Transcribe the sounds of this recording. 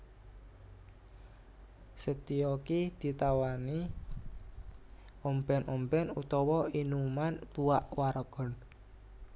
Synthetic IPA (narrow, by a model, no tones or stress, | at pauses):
sət̪iɔkid̪̥i̤t̪awani | ombɛnʔɔmbɛnut̪ɔwɔinumant̪uaʔwaɾɔɡ̥ɔ̤n